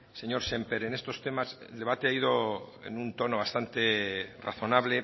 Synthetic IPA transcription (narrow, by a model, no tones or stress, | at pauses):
seɲo̞ɾsempeɾenest̪o̞st̪e̞masḛld̪e̞β̞at̪eaið̞oḛnunt̪o̞noβ̞ast̪ant̪era̰θo̞naβle